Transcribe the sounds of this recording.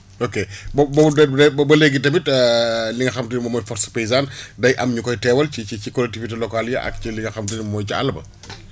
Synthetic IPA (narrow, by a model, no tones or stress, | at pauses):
okebɐbɐbdɐdɐbɐbɐleɡitɐbitəliŋɡɐxɐmtinimɐmɔːjfɔɾsɐ̥pejizaːndɐjʔɐmɲukɔjtɛwɐlciicikɔlːɛk̚tivitelɔkaljɐʔɐ̰kciliŋɡɐxɐmtinimmɔːjcia̰lɐbɐ̰